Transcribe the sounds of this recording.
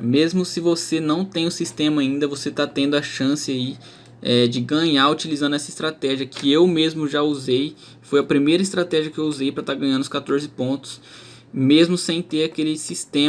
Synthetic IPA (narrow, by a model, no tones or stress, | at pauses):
mezmʊsɪvosenɐ̃w̃t̪ẽj̃ʊsist̪ẽmɐaĩnd̪ɐvoset̪at̪ẽnd̪ʊɐʃɐ̃sɪai | ɛd͡ʒɪɡɐ̃ɲaɾut͡ʃilizɐ̃nd̪ʊɛsɐist̪ɾat̪ɛʒiɐkʰɪewmezmʊʒauzej | fojɐpɾimejɾɐɪist̪ɾat̪ɛʒiɐkɪewuzejpɾɐt̪aɾɡɐ̃j̃ɐ̃nd̪ʊskat̪oɾzɪpõt̪ʊ̥s | mezmʊsẽj̃t̪eɾakelɪsist̪ẽ